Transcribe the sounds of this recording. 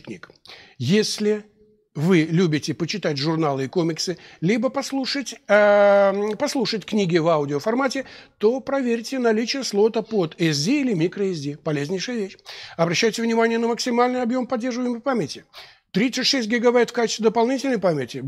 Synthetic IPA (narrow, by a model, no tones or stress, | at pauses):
knʲḭkjesʲlʲɪ | vɨlʲubʲɪtʲɪpət͡ɕɪt̪atʲʐʊrnalˠɨikomʲɪksɨlʲibəpɐslˠuʂətʲ | pɐslˠuʂətʲknʲiɡʲɪvaʊdʲɪofɐrmatʲɪt̪o̞pɾɐvʲeɾʲtʲɪnɐlʲit͡ɕɪjəslˠo̞t̪əpo̞t̪ɛs̬dʲiilʲɪmʲikɾəɛs̬dʲipɐlʲezʲnʲɪjʂɨjəvʲeɕːɐbɾɐɕːæjtʲɪvnʲɪmanʲɪjənəməksʲɪmalʲnɨjɐbjo̞mpɐdʲːerʐəvəjɪməpamʲɪtʲɪ | t̪ɾʲit̪sɨt̪ʲʂɛsʲt̚ʲɡʲɪɡɐbajt̪fkat͡ɕɪst̪ʲvʲɪd̪əpɐlˠnʲitʲɪlʲnəjpamʲɪtʲɪ